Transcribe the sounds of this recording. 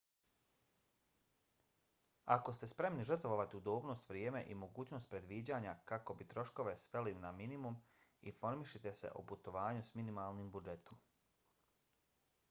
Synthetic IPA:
ako̞st̪e̞spɾe̞mniʒər̩t̪ʋoʋat̪iud̪oːbno̞ːst̪ʋɾʲjeːme̞ʔimo̞ɡuːt͡ɕno̞ːst̪̚pɾe̞d̪ʋiːd͡ʑaːɲakako̞bit̪ɾo̞ʃko̞ʋe̞sʋe̞linaminimum | ifo̞ɾmiʃit̪e̞se̞̰ʔo̰put̪o̞ʋaːɲusminimaːlˠnimbud͡ʒe̞t̪o̞m

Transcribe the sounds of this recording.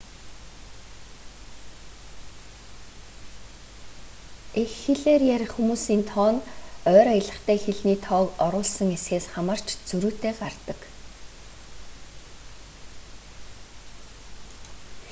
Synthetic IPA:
exːeɮeːrjæɾʲɪ̆χxumuːsiːnt̪ʰɔːnœːɾajə̆ɮə̆χt̪ʰæːxeɮniːt̪ʰɔːkɔɾʊːɮsə̆ŋesxeːsχamə̆r̥t͡ɕt͡sɵɾuːt̪eːɢart̪ə̆k

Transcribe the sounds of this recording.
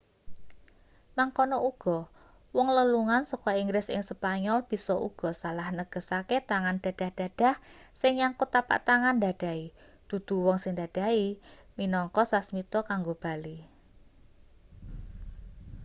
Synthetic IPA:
maŋkɔnɔuɡ̥ɔ̤ | wɔŋləluŋansɔkɔiŋɡɾɪsɪ̰ŋsəpaɲɔlb̥i̤sɔʔṵɡ̥ɔ̤salahnəɡ̥ə̤saket̪aŋand̥a̤d̥a̤hd̥a̤d̥a̤hsɪŋjaŋkut̪apa̰ʔt̪aŋand̪a̤d̥a̤i | d̪̥ṳd̪̥ṳwɔŋsɪŋd̪ad̥a̤iminɔŋkɔsasmit̪ɔkaŋɡob̥a̤li

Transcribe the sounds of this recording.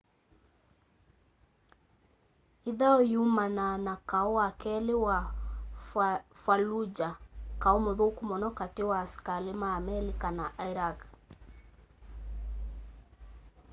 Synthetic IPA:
iðaɔjumananakaɔakɛlewa | falud͡ʒakaɔmoðokumɔnɔkatewaskalemaːmɛlikanaʔaiɾak

